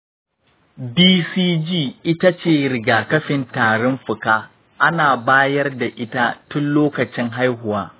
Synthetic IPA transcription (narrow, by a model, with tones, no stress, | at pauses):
biː˦siː˦d͡ʒiː˦˨ʔɪ˦ta˦t͡ʃeː˦˨ɾɪ˨ɡaː˨kɐ˦ɸɪ˨ntaː˨ɽɔ˦mɸʊ˨kaː˦ | ʔa˦naː˨baː˦jɐ˦rda˨ʔɪ˦ta˦tʊ˦nloː˦kɐ˨t͡ʃɪ˦ŋɦa˦jɦʊ˨waː˦